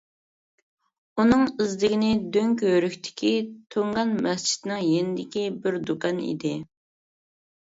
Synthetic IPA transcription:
unɨŋɪzd̪ɪɡʲinɪd̪øŋkʲɦøɾykʲt̪ʰɪ̥kʲʰit̪ʰøŋʁɑnmɛst͡ʃʰi̥t̪nɪŋjenɪd̪ɪkʲibɪɾd̪ukɑnḭd̪ɪ

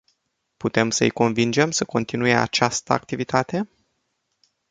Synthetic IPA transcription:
put̪e̞msəɨjko̞nvind͡ʒe̞msəko̞nt̪inujea̰t͡ʃast̪əak̚t̪ivit̪ʰat̪e̞

